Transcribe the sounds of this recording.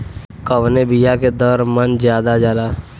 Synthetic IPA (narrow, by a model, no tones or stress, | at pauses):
kəʋnebijaked̪əɾmənzjaːd̪ad͡ʒaːlaː